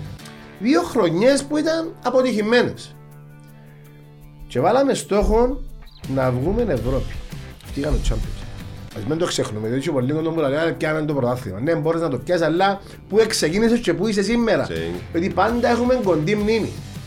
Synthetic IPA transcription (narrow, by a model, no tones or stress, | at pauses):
ðio̞xɾo̞ɲːe̞spuit̪ɐnɐpot̪içime̞ne̞s | t͡ʃe̞vɐlɐmest̪o̞xo̞nnɐvɣume̞ne̞vɾo̞pi̥ft̪ikɐnot͡ʃʰːampjonsɐzmend̪oksexnumet̪it͡ʃʰipolːiŋɡond̪ombulɐkɐɐnepcɐmend̪opɾot̪ɐθːimɐnemboɾeznɐt̪opcɐsɐlːɐ | pue̞ksecinisest͡ʃe̞puis̬esimːeɾɐ̰jot̪ipɐnd̪ɐe̞xume̞ŋɡo̞nd̪imnimḭ